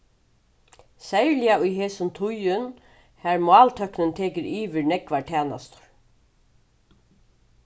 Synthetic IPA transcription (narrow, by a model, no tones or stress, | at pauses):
sɛjɹlɪjaʊjɦeːsʊnt̪ʰʊjʏn | hæːɹmʊɑːlt̪ʰœknənt̪ʰeːkɪɾiːʋɪɹnɛkʋaʈʰæːna̰st̪ʊ̥ɹ̥